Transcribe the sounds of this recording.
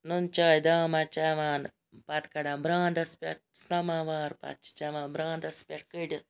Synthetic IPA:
nunt͡ʃaːjd̪aːmat͡ʃɐʋaːn | pɐt̪kɐɽãːbɾãːnd̪ɐspʲeʈ̚sɐmaʋaːɾpɐ̰t̪̚t͡ʃi̥t͡ʃɐʋãːnbɾãːnd̪ɐspʲɐʈ̚kɨɽʲ

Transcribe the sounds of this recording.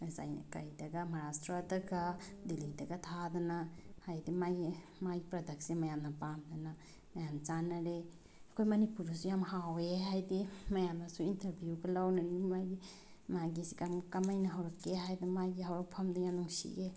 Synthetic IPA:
za̰jkajdɐɡamaɾastɾadɐɡad̪ilidɐɡat̪ʰad̪anahajdimaj | majipɾɐdʱɐksemajamnapamd̪ana | majant͡ʃanaɾe | kʰojmɐnipuɾusujamɦaweɦajdimɐjamnasuintɐɾbʱjukalawnanimajɡi | maɡisi̥kamkamajnaɦawɾɔkːeɦajdimajɡiɦawɾɔk̚pʰamd̪ajanuŋsḭe

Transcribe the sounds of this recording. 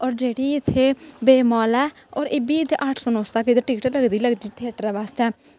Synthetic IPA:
ɔːɾd͡ʒeːɽiːɪt̪ʰːeːbeːmɔːlɛː | ɔːɾɪbiːɪt̪eʔaʈʰsonoːst̪aːked̪eʈɪːʈələɡd̪iːləɡd̪iːt̪ʰeːʈɾɛːʋaːst̪ɛː

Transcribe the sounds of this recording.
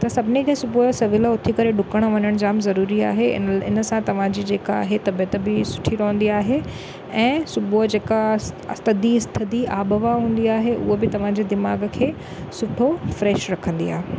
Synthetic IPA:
t̪ɐsɐbʱɪnid͡ʑẽsʊbuɦsɐʋɪləʊt̪ʰikɐɾeɖʊkəɽ̃̆ʋɐɲəɽ̃d͡ʑaːmzɐɾuːɾia̰ːɦeɪ̰ɪ̰nəsãt̪ɐʋ̤ãd͡ʑid͡ʑeːkaːɦet̪ɐbjət̪bɪsʊ̥ʈʰiɾɐɦə̃n̆d̪iaːɦe | ɛ̃ːsʊbuɦd͡ʑeːkast̪ɐd̪iɪst̪ʰɪt̪iaːbəʋaɦũːn̆d̪iaːɦeʔʊ̰ɦobɪt̪ɐʋ̤ãd͡ʑed̪ɪmaːɡkʰeː | sʊʈʰofɾɛːʃɾɐkʰə̃nd̪ḭa̰ːɦe

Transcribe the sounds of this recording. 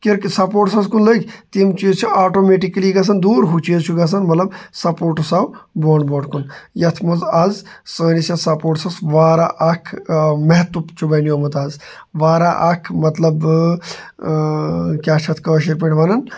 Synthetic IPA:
kiɾkisɐpoːʈsɐskunləːkʰʲt̪imt͡ʃiːzt͡ʃʰuaːʈomeːʈikɐliɡɐs̬ɐnd̪uːɾɦut͡ʃiːzt͡ʃʰuɡɐs̬ɐnmɐt̪lɐbsɐpoːɾʈusawboːɳboːʈkunjɐt̪ʰmɐzɐzsəːnisɐsɐpoːʈsɐsʋaːɾaʔɐkʰmɛɦt̪upt͡ʃʰubɐnjomɐt̪aːz | ʋaːɾaʔɐkʰmɐt̪lɐb | kʲaːt͡ʃʰɐt̪ʰkəːʃiɾpiɳʈʋaːnɐn

